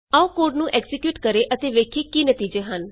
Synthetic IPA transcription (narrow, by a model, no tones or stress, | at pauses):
aũkoːɾɖnũːʔɛksɪkjuːʈkəɾeːʔət̪eːʋeːkʰeːkiːnət̪iːd͡ʒeːɦən